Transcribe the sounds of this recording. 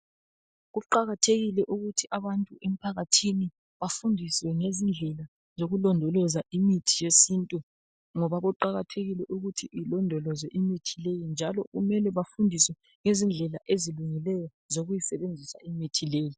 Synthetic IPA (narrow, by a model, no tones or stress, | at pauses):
ɣuǃaɣatʰeɣilɛʔuɣutʰiʔaβantʼuʔem̩pʰaɣatʰini | βafundʱiswɛŋezind͡ɮʱɛla | zoɣulɔndʱɔlɔzaʔimitʰijesintʼu | ŋɔβaɣɔǃaɣatʰeɣilɛʔuɣutʰiʔilɔndʱɔlɔzɛʔimitʰilejind͡ʒʱalɔɣumɛlɛβafundʱiswɛ | ŋezind͡ɮʱɛlaʔeziluŋilɛjɔ | zoɣujisɛβend͡zʱisa̰imitʰileːji